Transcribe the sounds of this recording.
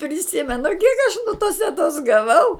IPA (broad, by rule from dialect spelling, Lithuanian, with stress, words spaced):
pʲrʲɪˈsʲɪmʲɛnʊ kʲiɛk ɐʃ nʊ toːs tʲɛˈtoːs ɡɐˈʋɐʊ